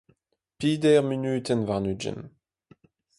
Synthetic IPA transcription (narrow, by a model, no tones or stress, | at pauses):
piːd̪ɛʁminyːt̪ɛnvaʁnyd͡ʒɛ̰n